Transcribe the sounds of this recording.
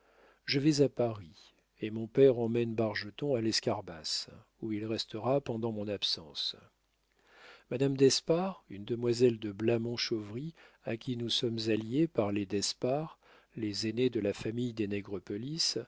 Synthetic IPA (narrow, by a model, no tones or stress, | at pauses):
ʒəvɛzapaʁi | emɔ̃pɛʁɑ̃mɛnbaʁʒət̪ɔ̃alɛskaʁbas | uilʁɛst̪əʁapɑ̃d̪ɑ̃mɔ̃napsɑ̃s | mad̪amd̪ɛspaʁynd̪əmwazɛld̪əblamɔ̃ʃovʁi | akʲinusɔmzaljepaʁled̪ɛspaʁ | lezened̪əlafamijd̪enɛɡʁəpɔlis